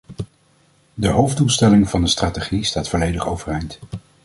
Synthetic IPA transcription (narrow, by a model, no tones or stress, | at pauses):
dəɦowvdulˠstɛlɪŋvɑndəstraːteχistaːtfɔlejdəχo̰wvərɛjnt